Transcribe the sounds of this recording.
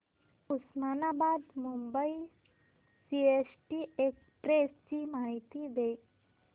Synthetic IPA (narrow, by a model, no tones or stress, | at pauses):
usmanabad̪mumbəi | siesʈiekspɾest͡ɕimaɦit̪id̪e